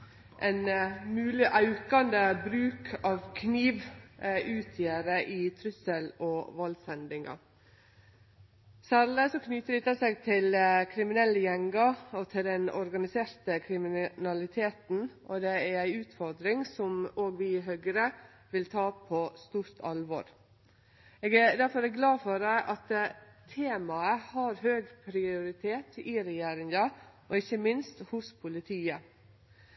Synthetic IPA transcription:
ʔɛɪnmʉːlɪʔɑʉkɑnd̪əbɾʉːkʰɑːʋkʰniːʋʔʉːt̪ʰjeɾəʔɪt̪ʰɾʉsəlɔʋɑlsɛnd̪ɪŋɑ̰ | sæːɾləsɔkʰnʏt̪əɾɪt̪əseːɡt̪ʰɪlkʰɾɪmɪnɛlːəjɛŋɡɑɔt̪ʰɪld̪ɛnɔ̰ɾɡɑnɪseːɾt̪əkʰɾɪmɪnɑlɪt̪ʰeːt̪n̩ʔɔd̪ɛæɾæɪʉːt̪fɔɾd̪ɾɪŋsɔmoːɡʋɪɦøːɡəɾə | ʋɪlt̪ʰɑːpʰɔst̪uːɾt̪ʰɑlʋɔ̰ɾ | eːɡæɾd̪æɾfɔɾɛɡlɑːfɔɾæʔɑt̪t̪ʰeːmɑəhɑɾhøːɡpʰɾɪʊɾɪt̪ʰeːt̪ɪɾɛjeːɾɪŋɑʔɔɪçəmɪnst̪hʊspʰʊlɪt̪ʰiːə

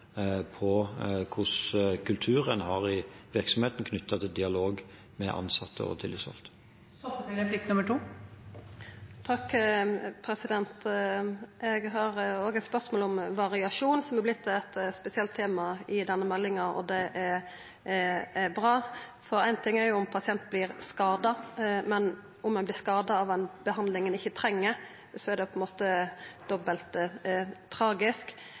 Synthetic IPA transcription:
pʰɔkʰʊskʰʉlt̪ʰʉːɾənhɑʁɪʋɪɾksɔmheːt̪n̩kʰnʏt̪ːɑt̪ʰɪld̪ɪɑloːɡ | mɛʔɑ̰nsɑt̪ʰːə̰ɔ̰t̪ʰɪlːɪsɔ̰lt̪ | ɛɛpʰlɪk̚t̪nʉməʈʰuː | t̪ʰɑkː | pʰɾɛsɪd̪ɛnt̪ | ɛɡɦɑʁoːɡəɛt̪spœʁsmoːlɔmʋɑʁɪɑʃuːnsɔmɛblɪt̪ʰːɛt̪spɛsɪɑlt̪ʰːeːmɑɪd̪ɛnːəmɛlːɪŋɑɾɔ̰d̪ɛʔɛɾ | ɛɾbɾɑːfɔɾæɪnt̪ʰɪŋːæɾjʊʊmpʰɑsɪɛnt̪blɪɾskɑːd̪ɑmɛn | ʊmːɛnblɪskɑːd̪ɑɑʋɛnbəhɑnd̪lɪŋənɪçːət̪ʰɾɛŋːəɾ | sɔæɾd̪ɛpʰɔɛnmoːt̪əd̪̥ɔbəlt̪ | t̪ʰɾɑːɡɪsk

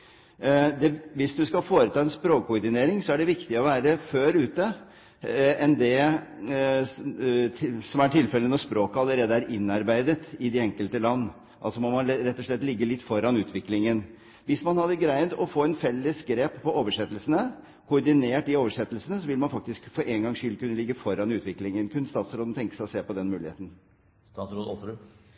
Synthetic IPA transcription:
d̪ɛʋɪsd̪ʉskɑfoːɾət̪ʰɑːɛnspɾoːkʰːʊɾd̪ɪneːɾɪŋsɔæɖɛʋɪkt̪ɪɔʋæːɾəføːɾʉːt̪ə | ɛnd̪ɛ | sɔmæʈʰɪlfɛlːənɔspɾoːkəɑlːəɾeːd̪əæɾʔɪnːɑɾbæɪd̪ət̪ɪd̪ɪɛŋkəlt̪əlɑnː | ʔɑlsɔmɔmɑnɾɛt̪ːɔʂlɭɛt̪ːlɪɡːəlɪt̪ːfɔɾɑnʉːt̪ʰʋɪklɪŋən | ʋɪsmɑnhɑd̪ːəɡɾæɪd̪ɔfoːɛnfɛlːəsɡɾeːpːɔoːʋəʂɛt̪ːəlsənə | kʰʊɾɖ̪ɪneːʈd̪ɪoːʋəʂɛt̪ːəlsənəsɔʋɪlmɑnfɑk̚t̪ɪskfɔɾʔeŋɡɑŋʂʏlkʉnːəlɪɡːəfɔɾɑnʉːt̪ʋɪklɪŋənkʰʉnːəst̪ɑːt̪sɾoːd̪n̩t̪ɛŋkəsæɪɔseːpɔd̪ɛnmʉːɪhḛːt̪n̩ | ssɾoːd̪ɔʉ

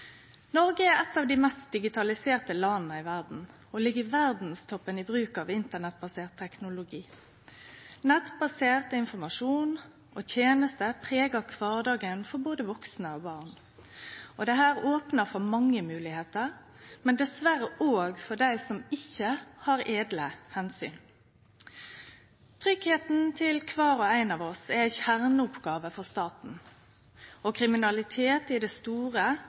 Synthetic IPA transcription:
nɔɾɡəɛɾɛt̪ːɑːʋd̪ɪmɛst̪̚d̪ɪɡɪt̪ʰɑlɪseːʁt̪əlɑnn̩əɪʋæʁd̪n̩ | ɔlɪɡːəʋæʁd̪n̩st̪ʰɔpːənɪbʁʉːkɑʋɪnt̪ənɛt̪̚bɑseːʁt̪ʰːɛknʊlʊɡiː | nɛt̪bɑseːʁt̪əɪnfɔʁmɑʂuːn | ʔot̪ʰjeːnəst̪əpʰʁeːɡɑkʰʋɑːʁd̪ɑːɡənfɔɾboːd̪əʋɔksnəɔbɑːʁn | ɔd̪ɛɦæːʁoːpnəfɔɾmɑŋːəmʉːlɪheːt̪əʁ | mɛnd̪ɛsʋæɾəʔoːɡfɔɖ̪æɪsɔmɪçːəhɑɾeːd̪ləhɛnsy̰ːn | t̪ʰɾʏɡheːt̪n̩t̪ʰɪlkʰʋɑːɾɔæɪnɑːʋɔsɛæɪçæʁnəʊpɡɑːʋəfɔʁst̪ɑːt̪n̩ | ɔkʰɾɪmɪnɑlɪt̪ʰeːt̪ɪd̪ɛst̪uːʁə

